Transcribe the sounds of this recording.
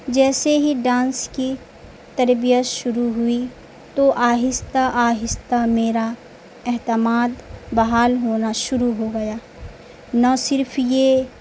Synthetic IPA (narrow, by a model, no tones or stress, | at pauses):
d͡ʒɛːseɦiɖãːnski | t̪ɐɾbijət̪ʃʊɾuɦʊi | t̪oʔaːɦɪst̪aʔaːɦɪst̪ameːɾa | ɛɦt̪ɪmaːd̪bɐɦaːlɦoːnaʃʊɾuɦoɡɐjaː | nasɪɾpʰjeː